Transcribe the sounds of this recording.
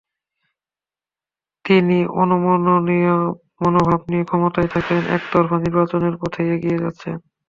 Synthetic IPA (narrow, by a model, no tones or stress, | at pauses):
t̪iniʔɔnomononi | monobʱabnijekʰɔmot̪ajt̪ʰakenʔɛ̰kd̪ɔɾfʰaniɾbat͡ɕoneɾpɔt̪ʰeeɡijed͡ʑat̪ːɕʰen